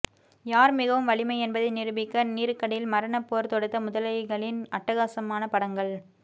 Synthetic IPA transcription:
jaːɾmɪɣɐʋɯmʋɐɭɪmɐɪɛnbɐðɐɪnɪɾɯbɪkːɐniːɾɯkːɐɽɐjɪlmɐɾɐnɐpːoːɾt̪ɔɽɯt̪ːɐmʊðɐlɐɪɣɐɭɪnɐʈːɐɣaːsɐmaːnɐpɐɽɐŋɡɐɭ

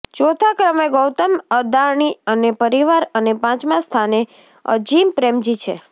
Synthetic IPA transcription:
t͡ʃot̪ʰakɾəmeɡɔwt̪əməd̪aɳ̃iənepəɾiʋaɾənepãt͡ʃmãst̪ʰane | ə̰d͡ʒimpɾemd͡ʒit͡ʃʰḛ

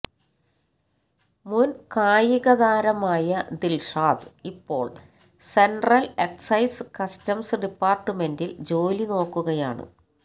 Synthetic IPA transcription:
munkaːjiɣɐðaːɾɐmaːjɐd̪ilʂaːd̪ɨipːo̞̰ːɭ | senɖrɐleksɐjskɐstɐmsɖipːaːrʈːɨme̞ndild͡ʑo̞ːlino̞ːkːuɣɐjaːɳɨ̰

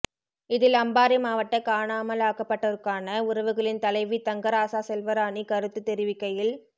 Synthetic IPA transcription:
ɪðɪlɐmbaːɾimaːʋɐʈːɐkaːɳaːmɐlaːkɐpːɐʈːɐʋɐɾkaːnɐʊɾɐʋɯɣɐɭɪnt̪ɐlɐɪʋit̪ɐŋɡɐɾaːsaːsɛlʋɐɾaːnikɐɾɯt̪ːɯt̪ːɛɾɪʋɪkːɐjɪl

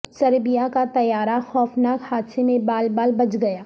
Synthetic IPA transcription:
sɐɾbijakat̪ɐjaːɾaxɔːfnaːkhaːd̪semẽbaːlbaːlbɐt͡ʃɡɐjaː

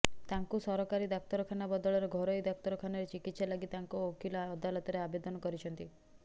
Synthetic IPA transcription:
t̪aŋkusɔɾɔkaɾid̪ak̚t̪ɔɾɔkʰanabɔd̪ɔɭɔɾeɡʱɔɾɔijd̪ɔk̚t̪ɔɾɔkʰanɔɾet͡ʃikit̪ːsalaɡit̪aŋkuokʰilaːd̪alɔt̪ɔɾeabed̪ɔnɔkɔɾit͡ʃʰɔnt̪i

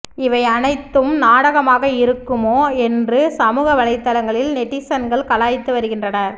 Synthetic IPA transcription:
ɪʋɐɪɐnɐɪt̪ːɯmnaːɽɐɣɐmaːɣɐɪɾɯkːɯmoːɛndrɯsɐmuːɣɐʋɐlɐɪt̪ːɐlɐŋɡɐɭɪlnɛʈːɪsɐnɡɐɭkɐlaːjt̪ːɯʋɐɾɯɣɪndrɐnɐɾ

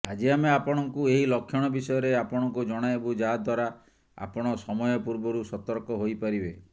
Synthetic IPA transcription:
ad͡ʒiameapɔɽ̃ɔŋkueɦilɔkʰjɔɽ̃ɔbisɔjɔɾeapɔɽ̃ɔŋkud͡ʒɔɽ̃aebud͡ʒad̪ʱwaɾa | a̰pɔɽ̃ɔsɔmɔjɔpuɾbɔɾusɔt̪ɔɾkɔɦojpaɾibe

